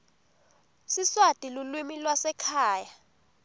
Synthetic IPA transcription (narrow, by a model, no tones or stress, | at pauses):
siswad̥ʱʼilulwimilwasɛkʰaːja